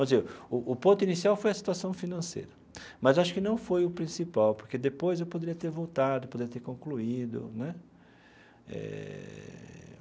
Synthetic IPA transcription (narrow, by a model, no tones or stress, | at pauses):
ɐ̃zeʊʔːpõt̪ʊinisiawfojɐsi̥t̪uasɐ̃w̃finɐ̃sḛjɾɐ | mɐzaʃʊ̥kɪnɐ̃w̃fojʊpɾĩsipawpoɾked̪epojzewpod̪eɾiɐt̪eɾvowt̪ad̪ʊpod̪eiɐt̪eɾkõkluid̪ʊ̰nɛ | ɛ̰